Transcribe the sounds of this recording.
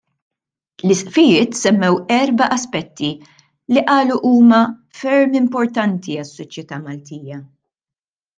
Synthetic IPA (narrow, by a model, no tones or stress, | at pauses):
lɪsʔfɪjɪːt̪sɛmːɛwɛɾbɐʔɐspɛt̪ːi | liʔɐːluʔuːmɐfɛɾmɪmpɔɾt̪ɐnt̪iɐsːɔt͡ʃjɛt̪ɐːmɐlt̪iːjɐ